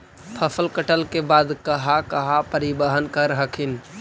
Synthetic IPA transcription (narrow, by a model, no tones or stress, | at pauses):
pʰəpʰəlkəʈəlkebaːd̪kəɦakəɦapəɾibəɦənkəɾɦəkʰin